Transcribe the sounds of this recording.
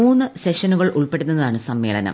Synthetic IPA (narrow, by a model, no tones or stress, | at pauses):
uːnːɨse̞ʂɐnuɣɐɭʔuɭpe̞ɽunːɐɐðaːɳɨsɐmːe̞ːɭɐ̰nɐ̰m